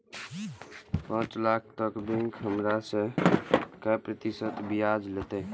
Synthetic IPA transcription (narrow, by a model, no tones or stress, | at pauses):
pãːt͡ʃlaːkʰt̪əkbẽŋkʰɦəmɾasẽ | kapɾət̪isət̪bijad͡ʒlet̪e